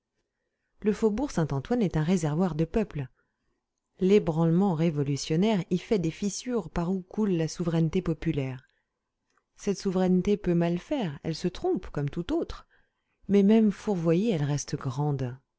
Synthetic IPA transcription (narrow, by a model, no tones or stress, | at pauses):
ləfobuʁsɛ̃t̪ɑ̃t̪wanɛt̪ɛ̃ʁezɛʁvwaʁd̪əpœpl | lebʁɑ̃lmɑ̃ʁevɔlysjɔnɛʁifɛd̪efisyʁpaʁukulːasuvʁɛnt̪epɔpylɛʁ | sɛt̪suvʁɛnt̪epømalfɛʁɛ̰lsət̪χɔ̃pkɔmt̪ut̪ot̪χ | mɛmɛmfuʁvwajeɛlʁɛst̪ɡʁɑ̃d̪